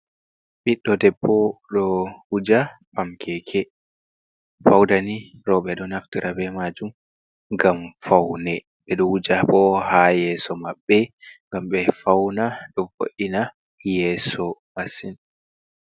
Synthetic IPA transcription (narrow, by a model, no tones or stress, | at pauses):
ɓiɗːɔdɛbːɔɗɔwud͡ʒapamkʰɛkʰɛ | fawdaniɾɔɓɛɗɔnaftiɾʔabɛmad͡ʒum | ŋɡamfawnɛ | ɓɛɗɔhud͡ʒaɓɔhajɛːsɔmaɓːɛŋɡamɓɛfawnaɗɔvo̰ʔina | jɛsɔmasin